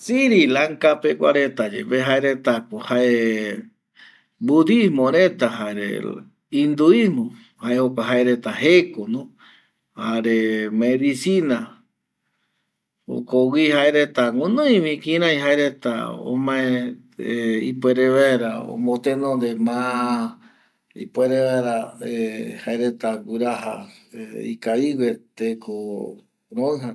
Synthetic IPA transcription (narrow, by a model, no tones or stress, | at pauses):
siɾilaŋkapekʷa̰ɾet̪ad͡ʒḛpeɦaeɾet̪akohaʔe | bud̪ismõɾet̪aɦaɾḛ | ĩnd̪uismõ | haeokʷaɦaeɾet̪ahekonõ | haɾemeeβisina | o̰kowihaeɾet̪aŋunõj̃βĩkĩɾ̃ãj̃ɦaeɾet̪a̰õ̰mãẽ | ipweɾeβaɾao̰mõt̪ẽnõnd̪emã | ḭpweɾeβeɾaehaeɾet̪aɡuɾaɦa | ḭkaiwet̪ekʰo | ɾoɨ̃ɦa